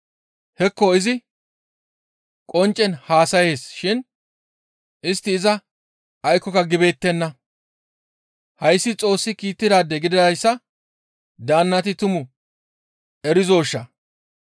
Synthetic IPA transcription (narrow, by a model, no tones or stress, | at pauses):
hɛkːɔɪzɪ | kʼɔnt͡ʃʼːɛnhaːsɐje̞ːsʃɪn | ʔɪst̪ːɪːzɐ | ɐjkːɔkɐɡɪbe̞ːt̪ːɛnːɐ | hɐjsːɪt͡sʼo̞ːsːɪkiːt̪ːɪd̪aːd̪ːɛɡɪd̪ɪdɐjsːɐ | d̪aːnːɐt̪ɪt̪ʊmʊ | ɛɾɪzo̞ːʃːɐ